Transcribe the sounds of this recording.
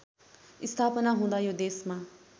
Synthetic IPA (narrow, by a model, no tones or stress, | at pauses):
ist̪ʰapʌnaɦũd̪ajod̪esma